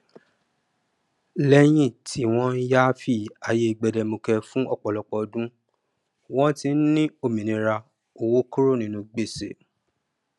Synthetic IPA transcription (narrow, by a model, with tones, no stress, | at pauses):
lɛ˦j̃ĩ˦˨tʰi˨˦w̃ɔ̃˦ja˦fi˦˨a˨je˧ɡ͡bɛ˧˨dɛ˧mo˧kɛ˧fũ˦ɔ˦˨k͡pɔ˨lɔ˨k͡pɔ˨˦dũ˦ | w̃ɔ̃˦ti˧˦n̩˦nĩ˦o˦˨mĩ˨nĩ˨˧ɾa˧ | o˨wo˦ku˦ɾo˦˨nĩ˧nũ˧ɡ͡be˦˨sḛ˨